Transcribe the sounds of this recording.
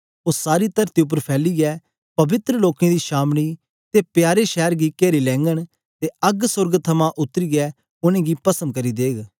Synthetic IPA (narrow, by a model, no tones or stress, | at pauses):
oːsaːɾit̪ɐɾt̪iʊp̬ːəɾpʰɛːliɡɛː | pɐbɪt̪ɾəloːkẽd̪iːʃaːmɽ̃i | t̪epjaːɾeʃɛːɾɡikeːɾilɛ̃ːŋɡəɽ̃ | t̪eɐɡsʊɾɡt̪ʰɐmãʔʊt̪ːəɾiɡɛ | ʊnẽːɡipɐsənkɐɾid̪eːɡ